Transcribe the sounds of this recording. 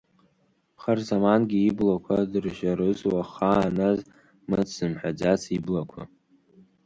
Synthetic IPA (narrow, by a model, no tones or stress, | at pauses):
χarzamanɡʲiːblakʷʰadɨrʒaɾɨzwaχaːnaz | mɨt͡sʰz̥ɨmħad͡ʒat͡sʰiblakʷʰa̰